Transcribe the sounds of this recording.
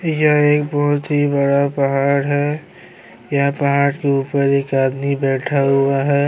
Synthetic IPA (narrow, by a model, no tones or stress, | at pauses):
jəeːk̚bɔɦʊt̪ɦibəɽapəɦaːɽɦɛ | jəɦpəɦaːɽkeuːpəɾeːkaːd̪mibɛːʈʰaɦʊaɦɛː